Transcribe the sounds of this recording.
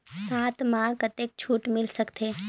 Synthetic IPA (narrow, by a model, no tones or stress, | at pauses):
saːt̪mãːkət̪eːk̚t͡ʃʰuːʈmɪlsɐkt̪ʰeː